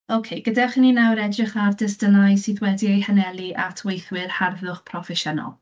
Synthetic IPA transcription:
owkʰejɡ̥ədaχininawɾɛdrɪχardɪsd̥ənajsiðwɛdiejhənɛlˠiʔa̰tʰwejθwɪrharvʊχpʰrɔfɛʃənɔ̰lˠ

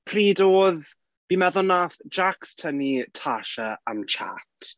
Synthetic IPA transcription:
pʰriːdoːð | b̥imɛðʊnaːθd͡ʒakstʰənitʰaʃəamt͡ʃʰa̰tʰ

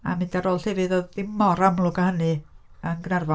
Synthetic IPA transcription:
a̰mɪndaɾoːlˠhɛvɨðoðɪmɔɾamlˠʊɡahənɨ | ənɡnarvɔ

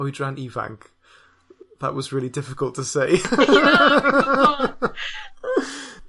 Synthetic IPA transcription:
widɹãniːvã̰ŋk | ðə̰ʔwɒzɹɪəlˠidɪfɪkəlˠtʰəseɪ

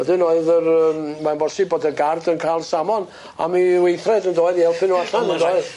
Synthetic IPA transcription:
ɛdɨnoːɨðərəːmmanbɔsiboːdəɡardənkʰalˠsamɔn | a̰miwejθrɛdəndoːɨðihɛlˠpʰɨnːuaɬanəndoːɨð

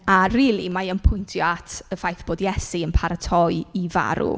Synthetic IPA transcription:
ariːlˠimaənpʰʊjntʰjɔatʰəfajθb̥oːdjɛsiənpʰaɾətʰɔɨiva̰ɾṵ

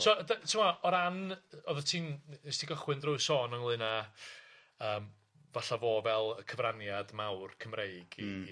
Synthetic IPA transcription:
sɔdətʰɪmaɔɾanɔðɔtʰiːnnɛstʰiɡɔχwɨndrʊɨsɔnəŋlˠɨna | əːm | vaɬavoːvɛlˠəkʰəvranjadmawrkʰəmrejɡi

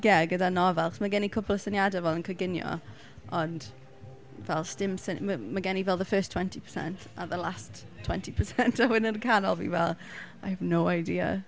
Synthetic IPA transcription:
jɛɡədanɔvɛlˠaχɔsməɡɛnikʰʊpʊlˠəsənjadɛvɛlˠənkʰəɡɪnjɔ̰ | ʔɔnd̥ | vɛlˠstɪmsənməmaɡɛnivɛlˠðəfɜːˑstʰw̥ɛntʰipʰə̥sɛ̰ntʰa̰ðəlˠast | tʰːw̥ɛntʰipʰəsɛntʰawɪnənkʰanɔ̰lˠbḭvɛlˠ | ajəvnowajdiːə̰

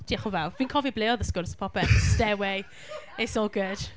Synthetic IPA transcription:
d̥iaχəvaviːnkʰɔvibleːɔðəskɔɾsə̥pʰɔpɛtstɛwej | ɪtsoːlˠɡʊd̥

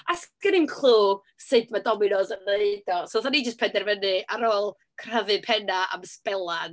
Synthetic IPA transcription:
asɡ̥ənɪnkʰl̥ˠuː | sɨdmadɔmɪnɔzəneɨdɔsoθanid͡ʒəstpʰɛndɛrvənɨʔaɾoːlˠ | kʰr̥avɨpʰɛnaʔa̰mspɛlˠan

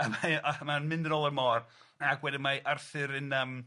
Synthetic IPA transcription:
əmaamanmɪndənɔlˠərmɔːr | aɡwɛdɪmaʔarθɨɾɨnəːm

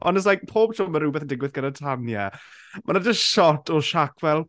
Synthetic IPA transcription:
ɔ̰nɛs̬lajk̚pʰoːb̚t͡ʃʰɔməɾuːbɛθəndɪɡwɪθɡ̥ənatʰanjɛ | manad͡ʒəstʃɔtʰɔʃakʰvɛlˠ

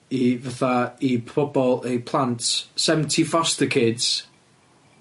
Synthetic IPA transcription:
ivaθaipʰɔbɔlˠejpʰlˠantsɛvən̩tʰifɔsdɛkʰeːdz̥

